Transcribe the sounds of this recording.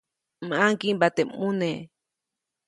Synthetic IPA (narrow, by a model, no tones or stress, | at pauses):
maŋkimbat̪emune